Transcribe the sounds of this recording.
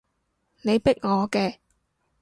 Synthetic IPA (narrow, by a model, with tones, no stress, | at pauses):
ne˨˧jpɪ˥k̚ŋɔː˨˧kɛː˧